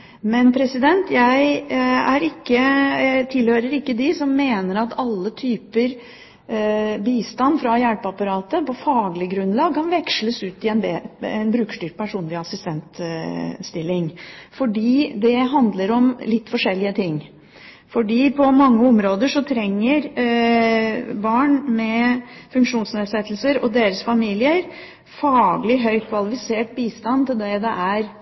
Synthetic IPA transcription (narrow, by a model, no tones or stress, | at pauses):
mɛnpʰɾɛsɪd̪ɛnt̪jæɪæɾɪkːət̪ʰɪlhøːɾəɾɪkːəd̪ɪsɔmːeːnəɾɑt̪ʰɑlːət̪ʰyːpəɾ | biːst̪ɑnfɾɑjæɽpɑpɑɾɑːt̪əpɔfɑːɡlɪɡɾʉnlɑːɡ̚kʰɑnʋɛkʂləsʉːt̪ɪɛnbɛɛ̰nbɾʉːkʂʈyːɾʈ̚pʰæʂuːnlɪɑsɪst̪ɛnt̪ | st̪ɪlːɪŋfɔɖiːd̪ɛɦɑnd̪ləɾɔmlɪt̪ːfɔʂɛlːɪət̪ʰɪŋː | fɔɖiːpʰɔmɑŋːəɔmɾoːd̪əʂɔt̪ʰɾɛŋːəɾ | bɑːɳmɛfʉŋkʂuːnsneːd̪sɛt̪ːl̩səɾɔ̰d̪eːɾəsfɑmiːlɪəɾ | fɑːɡəlɪɦœʏt̪̚kʰʋɑlɪfɪseːʈbiːst̪ɑnt̪ɪld̪ɛd̪ɛʔæɾ